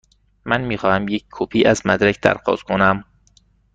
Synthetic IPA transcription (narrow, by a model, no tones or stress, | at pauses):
mænmiːxɒːhæmjeckʰːopʰiːʔæzmæd̪ɾæcʰd̪æ̰ɾxɒ̰ːzkʰonæm